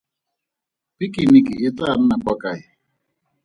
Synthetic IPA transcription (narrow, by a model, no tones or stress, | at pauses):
pikʼinikʼɪɪtʼan̩nakʼakʼaɪ